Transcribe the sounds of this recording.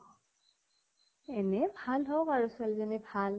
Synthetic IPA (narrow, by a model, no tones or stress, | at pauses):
ɛnɛbʱalɦɔkaɹusalzɔnibʱal